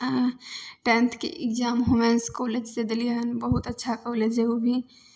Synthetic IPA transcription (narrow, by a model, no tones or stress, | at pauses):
ʈɛ̃ːnt̪ʰkḛʔɪkd͡ʒaːmɦomẽːnskoːleːd͡ʒsed̪əlijaənbəɦʊt̪ɐtːʃʰakoːleːd͡ʒɦeobʱi